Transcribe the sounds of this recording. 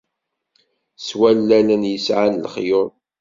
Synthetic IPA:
swælːælənjəsʕanlχjʊɾ

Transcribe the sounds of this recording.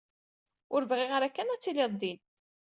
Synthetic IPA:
ʊɾvʁɪʁɾækːænæt͡sːilɪɾˤd̪in

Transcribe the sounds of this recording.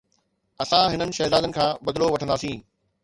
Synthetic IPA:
ɐsãɦɪnənɪ̆ʃɛːzaːd̪ənɪ̆kʰãːbɐd̪ɪloʋɐʈʰə̃nd̪aːsĩː

